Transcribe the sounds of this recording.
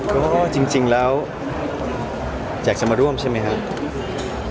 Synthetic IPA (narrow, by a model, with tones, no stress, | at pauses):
kɔː˥˩t͡ɕi˧ŋt͡ɕi˧ŋlɛː˦˥w | t͡ɕaː˨˩k̚t͡ɕa˧maː˧ɾu˥˩əmt͡ɕʰa˥˩jma˦˥jkʰa˦˥ʔ